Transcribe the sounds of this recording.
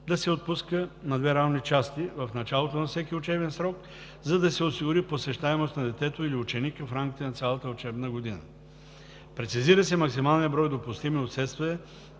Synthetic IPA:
d̪ɐsɛot̪̚puskənɐd̪vɛɾavnit͡ʃast̪ivɐfnɐt͡ʃalˠot̪onɐfsɛkʲiʊt͡ʃɛbɛnsɾɔk | zɐd̪ɐsɛosiɡʊɾiposɛʃt̪aɛmost̪nɐd̪ɛt̪ɛt̪oiliʊt͡ʃɛnikəfɾamkʲi̥t̪ɛnɐt̪sʲalˠɐt̪əʊt͡ʃɛbnəɡod̪inə̰ | pɾɛt̪siziɾəsɛmɐksimalˠniəbɾɔjd̪opʊst̪imiot̪sɛt̪st̪vɛɛ

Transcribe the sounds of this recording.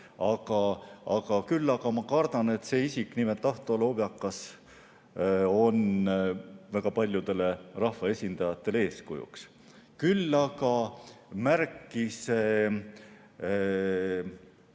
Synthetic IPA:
ɑɡ̥ɑɑɡ̥ɑkylːɑɡɑmɑkɑrd̪̥ɑne̞t̪se̞ːisiknimelt̪ːɑht̪ˑolob̥jɑkːˑɑs | o̞n | væɡ̥ɑpɑlʲjud̪̥e̞le̞rɑhvɑe̞sʲind̪̥ɑjɑt̪ːe̞le̞ːskujṵks | kylːɑɡ̥ɑmærkːˑise

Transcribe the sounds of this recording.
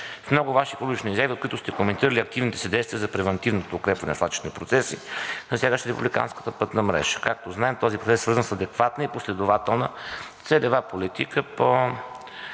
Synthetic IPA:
fmnɔɡʊvaʃiklˠuit͡ʃniizʲjavʲiot̪̚kʊit̪ʊst̪ɛkomɛnt̪iɾəlʲiɐk̚t̪ivnit̪ɛ̥sid̪ɛjst̪viəzɐpɾɛvɛnt̪ivnot̪oːkɾɛpvɐnɛ̰n̰slˠat͡ʃi̥ʃnɛpɾot̪sɛsinɐsjaɡəʃɾɛpṵblʲika̰nskə̥t̪əpɤt̪nəmɾɛ̰ʒ̥ə̥kak̚t̪oznaɛmt̪ɔzipɾotsɛsːvɤɾzənsɐd̪ɛkvat̪nəiposlɛd̪ʊvat̪ɛlˠnət̪sɛlɛvapolit̪ikəpo

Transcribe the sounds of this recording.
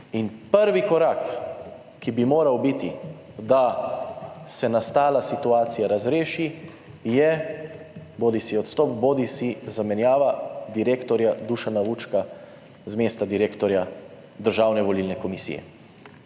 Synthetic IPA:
inpəɾʋikɔɾaːk | kːibimoːɾawbit̪i | d̪a | sɛnast̪aːlasit̪uaːt̪sijaɾazɾeːʃi | jɛ | boːd̪isiɔt̪st̪ɔːpboːd̪isizamɛnjaːʋad̪iɾeːkt̪ɔɾjad̪uʃanaʋut͡ʃka | zmeːst̪ad̪iɾeːkt̪ɔɾja | d̪əɾʒaːwnɛʋɔlilnɛkɔmisḭjɛ̰

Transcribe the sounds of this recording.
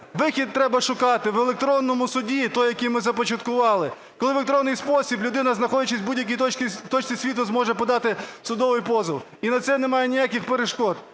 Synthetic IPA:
ʋɪxʲid̪̚t̪ːɾɛbɐʃʊkɑt̪ɪʋelˠek̚t̪ɾɔnːɔmʊsʊdʲit̪ɔjjɐkʲijmɪzɐpɔt͡ʃɐt̪kʊʋɑlˠɪ | kɔlˠɪʋek̚t̪ɾɔnːɪjspɔsʲiblʲʊd̪ɪnɐznɐxɔdʲɐt͡ʃɪsʲbudʲjɐk̬ʲijt̪ɔt͡ʃt͡sʲisʲʋʲit̪ʊzmɔʒɛpɔd̪ɑt̪ɪsʊd̪ɔʋɪjpɔzɪw | inɐt̪sɛnɛmɑjenʲijakʲɪxpeɾeʃkɔt̪̚

